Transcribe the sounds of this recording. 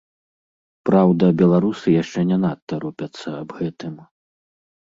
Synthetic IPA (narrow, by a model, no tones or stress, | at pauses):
pɾawd̪ɐbʲɛlˠaɾusɨjaʂt͡ʂɛnʲɛnat̪ːɐɾupʲɐt̪sːɐabɣɛt̪ɨm